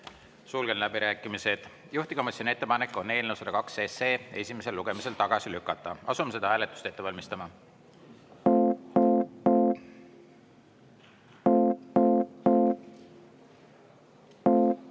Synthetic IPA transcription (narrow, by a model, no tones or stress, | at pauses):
suːlɡ̥enlæbiɾæːkːˑimise̞d̪̥ | juht̪ikɑmɑsʲonet̪ːe̞pɑnekːˑo̞ne̞ːlnewuselɑkɑkse̞ːse̞ːe̞sʲime̞se̞lːuɡ̥e̞mise̞lt̪ɑɡ̥ɑsilykːˑɑt̪ˑːɑ̰ɑ̰sume̞se̞d̪ɑhæːle̞t̪ːˑu̥st̪e̞t̪ːevɑlʲmist̪ɑmɑ